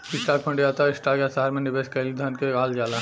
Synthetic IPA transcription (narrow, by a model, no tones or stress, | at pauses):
ɪsʈaːk̚pʰɐ̃ɳɖiaːt̪aɪsʈaːkjasaɦaɾmẽnɪʋeːskɐlid̪ʱankeaːld͡ʒaːla